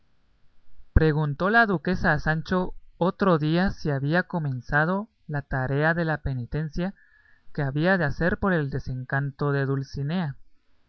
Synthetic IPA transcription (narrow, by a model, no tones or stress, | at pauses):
pɾe̞ɣunt̪o̞laðuke̞saːsant͡ʃo̞ot̪ɾo̞ðiasiaβiako̞mẽ̞nsað̞o̞ | lat̪aɾe̞aðe̞lape̞nit̪e̞nsja | ke̞aβiaðe̞ase̞ɾpo̞ɾe̞ld̪e̞se̞ŋkant̪o̞ðe̞ðulsine̞a